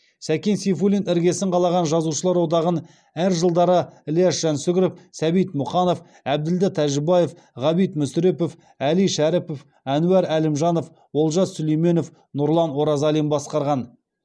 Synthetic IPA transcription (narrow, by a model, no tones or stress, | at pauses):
sækʲensifulinɪɾɡʲe̞sɪɴqʰɑlˠɑʁɑnʒɑzuʃəlˠɑɾwo̞d̪ɑʁən | æɾʒəlˠd̪ɑɾəlijɑʃʒ̥ɑnsʏɡʲɾefsæbijt̪mʊχɑno̞f | æb̚d̪ɪld̪ɪt̪ʰæʒɪbɑjef | ʁɑbijt̪mʏsɾepof | ælijʃæɾɪpof | ænuæɾælɪmʒɑno̞f | wo̞lˠʒɑsɵlejme̞nof | nʊɾlˠɑnwo̞ɾɑzɑlˠimbɑsqɑɾʁɑn